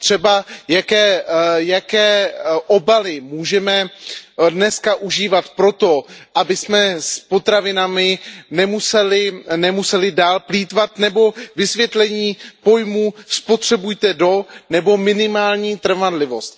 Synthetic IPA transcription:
t̪r̝̥ɛbajakɛːjakɛːʔobalɪmuːʒɛmɛ | dnɛskaʔuʒiːvat̪pɾo̞t̪o̞ʔabɪsmɛspo̞t̪ɾavɪnamɪnɛmusɛlɪnɛmusɛlɪdaːlpliːt̪vat̪nɛbo̞vɪsvjɛt̪lɛɲiːpo̞jmuːspo̞t̪r̝̥ɛbujt̪ɛdo̞nɛbo̞mɪnɪmaːlɲiːt̪r̩vadlɪvo̞st̪

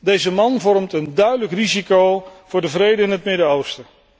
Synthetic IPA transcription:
dejzəmɑnvɔrmtəndœɥdələkrizikowv̥ʊːɹdəvrejdəɪnɦətmɪdəowstə

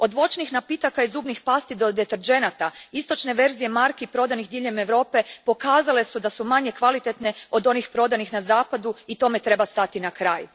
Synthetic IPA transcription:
o̞d̪ʋo̞t͡ʃnixnapit̪akaizuːbnixpast̪id̪o̞d̪et̪eɾd͡ʒe̞nat̪aist̪o̞t͡ʃne̞ʋe̞ɾzije̞maɾkeipɾo̞d̪anixd̪iːʎe̞meʋɾo̞ːpe̞po̞kaːzale̞sud̪asumaɲe̞kʋalit̪e̞t̪ne̞o̞d̪o̞nixpɾo̞d̪anixnazaːpad̪uit̪o̞me̞t̪ɾe̞bast̪at̪inakɾaːj

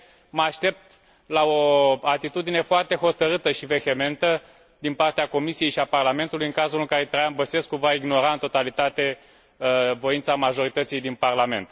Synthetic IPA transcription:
məaʃt̪e̞p̚t̪ | lao̞at̪it̪ud̪ine̞foart̪e̞ɦo̞t̪əɾɨt̪əʃive̞he̞me̞nt̪ə | d̪inpart̪eako̞misije̞jʃiaparlame̞nt̪ulujɨŋkazulɨŋkaɾet̪ɾajambəse̞skːuvaiɡno̞ɾaɨnt̪o̞t̪alit̪at̪e̞ | vo̞int̪samaʒo̞ɾit̪ət̪sijd̪inparlame̞̰nt̪

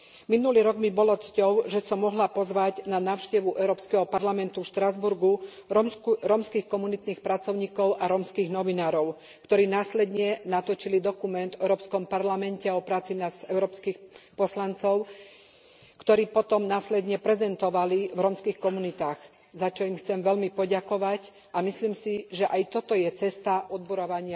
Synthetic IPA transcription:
minuliːɾɔɡmibɔlɔt͡scɔʊʒɛsɔmːɔɦlapɔzʋaɟnanaːʊʃcɛʋuʔɛʊɾɔːpskɛɦɔpaɾlamɛnt̪ufʃt̪ɾazbuɾɡu | ɾɔmskiːxkɔmunit̪niːxpɾat͡sɔʊɲiːkɔʊʔaɾɔmskiːɣnɔʋinaːɾɔʊ | kt̪ɔɾiːnaːslɛd̪ɲɛnat̪ɔt͡ʃilid̪ɔkumɛnd̪ɛʊɾɔːpskɔmpaɾlamɛncɛɔpɾaːt͡sinasɛʊɾɔːpskiːxpɔslant͡sɔʊ | kt̪ɔɾiːpɔt̪ɔmnaːslɛd̪ɲɛpɾɛzɛnt̪ɔʋalivɾɔmskiːxkɔmunit̪aːɣ | zat͡ʃɔimxt͡sɛmʋɛʎmipɔɟakɔʋac | ʔamisliːmsiʒɛʔajt̪ɔt̪ɔjɛt͡sɛst̪aʔɔd̪̚buɾɔʋaɲɪa

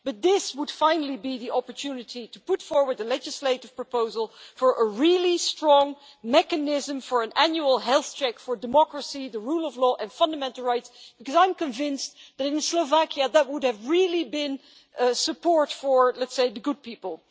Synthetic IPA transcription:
b̥ʌt̪̚ðɪswəd̥fãɪ̃nl̩ˠibiðiɑpəɹtʰʉnɨɾiɾəpʊtfɔɹwə˞d̚ðəlɛd͡ʒɨsleɪɾɨv̥pɹ̥əpoʊzəl̩ˠfə˞ʔəɹɪlˠistɹ̥ɔ̃ŋ | mɛkɨnɪzə̃mfə˞ɨ̃nænjuəl̩ˠɦɛlˠθt͡ʃʰɛkfə˞dɨmɑkɹəsiðəɹulˠʌvlɔːʔɨ̃nfʌ̃ndəmɛ̃ntˡl̩ˠɹaɪtsb̥ɨkʌzãɪ̃mkɨ̃ɱvɪ̃nsðɨɾɪ̃nsloʊvækjɨðət̚wʊdɨvɹɪlˠibɪ̃n | sɨpʰɔɹtfə˞lɛtseɪðɨɡʊd̚pipəl̩ˠ

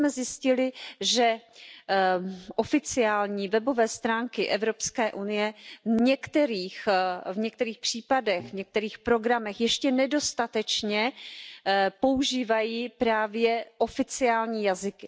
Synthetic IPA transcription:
mɛzjɪscɪlɪʒɛ | ʔofɪt͡sɪaːlɲiːvɛbo̞vɛːst̪ɾaːŋkɪʔɛvɾo̞pskɛːʔunɪjɛɲɛkt̪ɛɾiːxvɲɛkt̪ɛɾiːxpr̝̥iːpadɛxvɲɛk̚t̪ɛɾiːxpɾo̞ɡɾamɛxjɛʃcɛnɛdo̞st̪at̪ɛt͡ʃɲɛ | po̞uʒiːvajiːpɾaːvjɛʔo̞fɪt͡sɪaːlɲiːjazɪkɪ

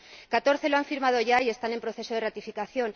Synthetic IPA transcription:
kat̪o̞ɾθe̞loaɱfiɾmað̞o̞ʝaie̞st̪ane̞mpɾo̞θe̞so̞ð̞e̞rat̪ifikaθjo̞n

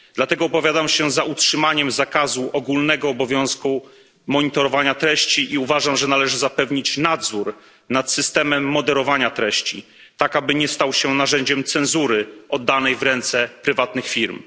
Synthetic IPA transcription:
d̪̥lat̪ɛɡɔːpɔvʲjad̪amɕɛzautʂɘmaɲɛmzakazuʔɔɡulnɛɡɔːbɔvʲjɔ̃w̃sku | mɔɲit̪ɔɾɔvaɲat̪ɾɛɕt͡ɕiʔiuvaʐamʐɛnalɛʐɘzapɛvɲit͡ɕnad̪zuɾ | nat̪sɘst̪ɛmɛmːɔd̪ɛɾɔvaɲat̪ɾɛɕt͡ɕḭ | t̪akabɘɲɛst̪awɕɛnaʐɛɲd͡ʑɛmt̪sɛ̃nzuɾɘɔd̪ːanɛjvɾɛnt̪sɛpɾɘvat̪nɘxfʲiɾm

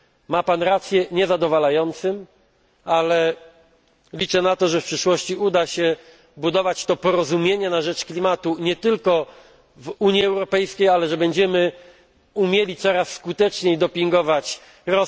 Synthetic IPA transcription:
mapanɾat̪sʲjɛɲɛzad̪ɔvalajɔnt̪sɘm | alɛ | lʲit͡ʂɛnat̪ɔʐɛfpʂɘʂwɔɕt͡ɕiud̪aɕɛ | bud̪ɔvat͡ɕt̪ɔpɔɾɔzumʲjeɲɛnaʐɛt͡ʂklʲimat̪uɲɛt̪ɘlkɔ | vuɲiɛwɾɔpɛjskʲejalɛʐɛbɛɲd͡ʑɛmɘ | umʲjelʲit̪sɔɾasːkut̪ɛt͡ʂɲejd̪ɔpʲiŋɡɔvat͡ɕ | ɾɔ

